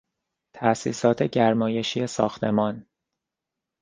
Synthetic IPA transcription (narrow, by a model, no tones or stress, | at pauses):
t̪ʰæʔsḭːsɒːt̪ʰe̞ɟæɾmɒːje̞ʃiːesɒ̰ːxt̪ʰe̞mɒːn